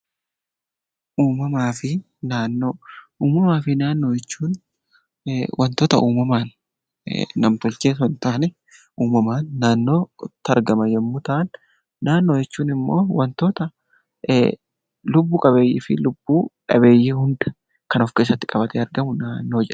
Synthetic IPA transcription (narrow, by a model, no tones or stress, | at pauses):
ʔuːmɐmaːfɪ | naːnːoː | uːmɐmaːfɪnaːnːo̞ːjɛt͡ʃːuːn | wʔɐnt̪oːt̪ɐʔuːmɐmaːn̰ | nɐmt̪ɔlt͡ʃeːsɔnt̪aːnɛ | uːmɐmaːnːaːnːo̞ːt̪ːɐɾɡɐmɐjɛmːʊt̪ɐʔɐnː | aːnːo̞ːjɛt͡ʃːuːnɪmːo̞̰ːwɐnt̪oːt̪ɐ | lʊbːuːkʼɐβe̞ːjḭːfɪlʊb̥ːuːᶑɐ̰βe̞ːjːiːhʊnd̪ɐ̥ | kɐnɔfkeːsːɐt̪ːɪkʼɐbɐt̪ɛɐɾɡɐmʊnaːnːo̞ːd͡ʒɛᶑɐ̥